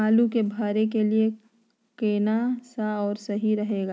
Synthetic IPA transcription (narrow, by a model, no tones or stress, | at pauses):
aːlukebʱaːɾekelie | keːnasaɔːɾsɐɦiɾɐɦeːɡaː